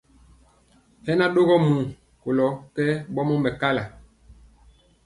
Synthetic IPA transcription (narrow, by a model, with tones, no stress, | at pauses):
hɛ˦na˦ɗo˦ɣɔ˦mũ˨ | ko˨lɔ˨kɛ˦ɓɔ˦mɔ˦mbɛ˨ka˦la˨